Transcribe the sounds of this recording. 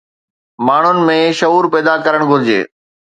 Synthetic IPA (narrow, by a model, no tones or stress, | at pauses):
maːɳ̤ʊnɪ̆mẽʃɐuːɾpɛːd̪akɐɾəɽ̃ɡʱʊɾɪd͡ʑḛː